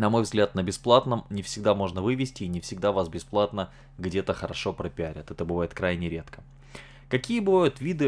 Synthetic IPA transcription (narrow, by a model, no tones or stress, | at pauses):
nɐmo̞jvzɡlʲat̪nəbʲɪsplˠat̪nəmnʲɪfsʲɪɡ̚d̪amo̞ʐnəvɨvʲɪsʲtʲɪːnʲɪfsʲɪɡ̚d̪avasbʲɪsplˠat̪nə | ɡdʲe̞t̪əxəɾɐʂo̞pɾəpʲɪaɾʲət̪ɛt̪əbɨvajɪt̪kɾajnʲɪɾʲe̞t̪kə̥ | kɐkʲijəbɨvajʊt̪vʲid̪ɨ